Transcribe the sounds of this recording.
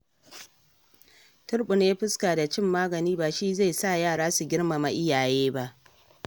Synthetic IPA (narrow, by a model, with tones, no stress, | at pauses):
tʊ˦ɽɓʊ˨n˦a˦ɸɪ˦skaː˨da˨t͡ʃɪ˦˨mːaː˦ɡɐ˨niː˦baː˨ʃiː˦za˦˨sa˦˨jaː˦˨ɽaː˦su˨ɡʲɪ˦ɽma˨ma˨ʔɪ˦jaː˨jeː˦ba˦ʔ